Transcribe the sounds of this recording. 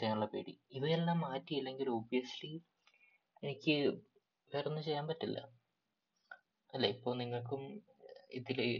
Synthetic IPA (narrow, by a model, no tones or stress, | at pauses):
t͡ɕejaːmuɭːɐpeːɽḭiʋɐjelːaːmːaːtːijilːe̞ŋɡilo̞ːbijɐsli | enikʲːɨ | ʋeːrɐnːɨt͡ɕe̞jːaːmpɐtːilːɐ̰ | ɐlːeipːo̞ːɭniŋːɐɭkumḭðil